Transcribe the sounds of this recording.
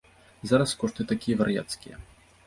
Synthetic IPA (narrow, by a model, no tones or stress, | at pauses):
zaɾɐskɔʂt̪ɨt̪akʲijɛvɐɾja̰t̪skʲijɛ̰